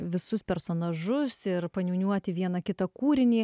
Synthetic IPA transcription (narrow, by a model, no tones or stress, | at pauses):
ʋʲɪsʊspʲɛɾsoːnɐʒʊsɪɾpɐnʲuːnʲuɔt̪ʲɪʋʲiɛnɐkʲɪt̪ɐkuːɾʲɪnʲiː